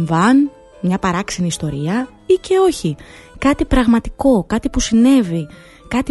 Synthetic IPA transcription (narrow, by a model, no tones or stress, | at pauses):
vɐn | mɲɐpɐɾɐksiniːst̪o̞ɾiɐ | ice̞o̞çikɐt̪ipɾɐɣmɐt̪i̥ko̞kɐt̪ipusine̞vi | kɐt̪i